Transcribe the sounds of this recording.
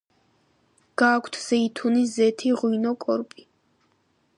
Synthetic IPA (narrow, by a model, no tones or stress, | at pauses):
ɡ̥aːkʷʰt̪ʰz̥ɛit̪ʰunizɛt̪ʰiʁwinɔkʼɔɾpʼi